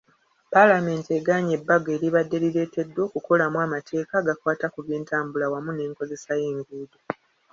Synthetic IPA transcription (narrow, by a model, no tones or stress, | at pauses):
palame̞ːnteɡaɲe̞bːaɡe̞ːɾiβadːe̞lile̞ːte̞dːwo̞ːkuko̞lamwaːmatʰe̞ːkaːɡakwaːtakuβjeːntʰaːmbulawamune̞ːŋko̞ze̞saje̞ːŋɡuːdo